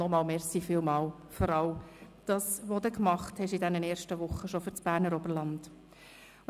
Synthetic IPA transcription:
nɔmɑːlmɛɾsifilmɑːl | fɔɾɑld̥ɑːsʋodəkmɑχthɛʃidɛnənɛːrʃtəʋʊχːəʃofyɾt͡sb̥æːɾnəɾɔbəɾlɑnd̥

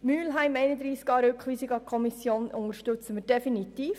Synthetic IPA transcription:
myːlɦɛɪmɛɪnəd̪ɾiːskɑːɾøkχʋiːsiɡɑkʰɔmisjoːnʊŋəɾʃtøt͡səməɾd̥ɛfinit̪iːf

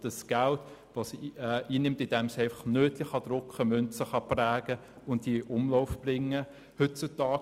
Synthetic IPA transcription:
d̥əsɡ̥æltʋosiːnɪmtɪd̥ɛmsæɪfɑχnøːtlɪχɑd̥ɾʊkχəmœnt͡səχɑplæːɡ̥ə | ʊntdiʔʊmlɔʊfb̥rɪŋːə | hʏt̚t͡sʊtɑː

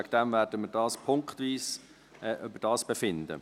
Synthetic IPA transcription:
ækd̥̪ɛmvæːɾdəmɪɾdɑːspʰʊŋkχt̪viːs | ɛʔʏbəd̥ɑːsb̥efɪnd̪ə̰

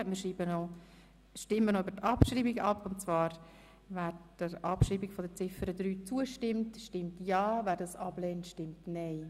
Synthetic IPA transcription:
mɪɾʃɾiːbəno | ʃtɪmːənoybəɾtɑpʃɾiːbiɡɑpʊntt͡svɑːɾ | væːɾd̥əɾʔɑpʃɾiːbiɡfɔdət͡sɪfəɾəd̪ɾyːt͡suəʃtɪmtʃtɪmtjɑːvæːɾdɑsɑb̥lɛːntʃtɪmtnaɪ

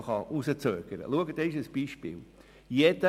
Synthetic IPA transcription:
χɑʔusət͡søːɡ̥əɾə̰luəɡət̪ɛɪʃəsb̥iːʃpɪ̰ːl | jɛd̥̪ə

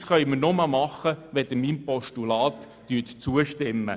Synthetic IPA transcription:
sχœʏməɾnomɑmɑχəʋɛd̪əmiːmpɔʃtulɑːt̪ːyːtt͡suəʃtɪmːə̰

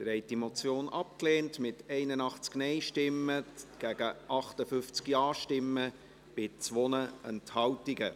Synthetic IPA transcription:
d̥ɾɛɪtimot͡sjoːnʔɑp̚kleːntmɪtʰɛɪnənɑχt͡sknɛɪʃtɪmːəɡ̥æɡ̥əʔɑχtəfʏft͡skjɑːʃtɪmːə | b̥ɪt͡sʋonəɛnthɑwtiɡə

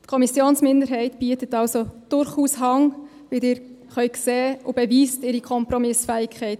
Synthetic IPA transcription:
tkʰɔmisjoːnsmɪndəɾɦɛɪtb̥iətətɑlsod̥ʊɾχuːsɦɑŋ | ʋɪldɪːɾ | χœʏkseːob̥ɛviːstɪɾikʰɔmpɾɔmɪsfɛːɪkʰχɛɪt

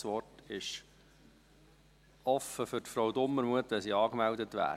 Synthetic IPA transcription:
sʋɔtɪʃ | ɔfəfʏtfɾɔʊdʊmːəɾmuətʋɛnsiːɑːkmɛldətʋæ̰ː

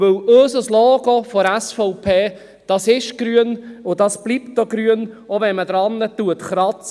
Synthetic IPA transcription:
ɵwøːsəslɔːɡofɔɛsfɔʊpʰeː | d̥ɑsɪʃɡ̥ɾyənʊdɑsb̥lip̚tdoɡɾyənovɛnməd̥̪ɾɑnːətuətχɾɑt͡s

